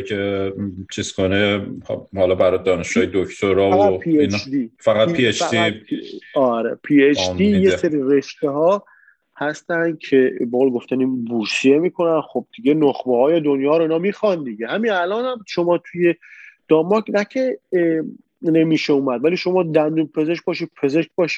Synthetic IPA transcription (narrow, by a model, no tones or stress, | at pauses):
et͡ʃʰiz̥kʰonehhɒlɒbæɾɒjd̪ɒːneʃɡ̥ɒːjed̪okt̪ʰoɾɒːæpʰiend̪ifæɣæt̪pʰiet͡ʃdi | ɒɾepʰiet͡ʃijeseɾire̞ʃt̪eɦɒː | hæst̪ænd̪̥̚cʰe̞beɣoːlɡo̞ft̪æninbusiemiːkʰo̞nænxob̚d̪̥iɡenoχbehɒːjed̪o̞njɒːɾoinɒːmiːxɒnd̪iɟehæminælɒːnhæmʃo̞mɒːt̪ʰuje̞d̪̥ɒmːɒknæcʲʰe | ne̞miːʃeuːmæd̪væliːʃo̞mɒːd̪ænd̪umpʰe̞zeʃk̚ʲbɒːʃid̪pʰe̞zeʃk̚ʲbɒːʃi̥